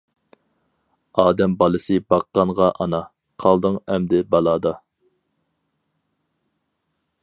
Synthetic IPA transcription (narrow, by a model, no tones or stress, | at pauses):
ɑːd̪ɛmbɑlˠɨsɨbɑqːɑnʁɑʔɑnɑ | qʰɑlˠd̪ɨŋɛmd̪ɪbɑlˠɑːd̪ɑ